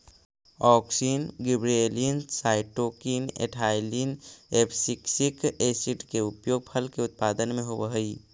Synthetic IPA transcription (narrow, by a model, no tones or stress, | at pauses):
ɔːksiːnɡibɾeliənsaːɪʈoːkinḛʈʰaːɪlinepʰsiksikesiʈkeʊpjoːɡ̚pʰəlkeʊt̪̚paːd̪ənmẽɦobəɦəi